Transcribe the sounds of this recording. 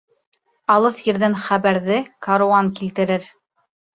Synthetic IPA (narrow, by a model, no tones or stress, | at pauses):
ɑlˠɤθjɘ̆ɾðænχæβæɾðɘkaɾuɑŋkilt̪ɘ̆ɾɘɾ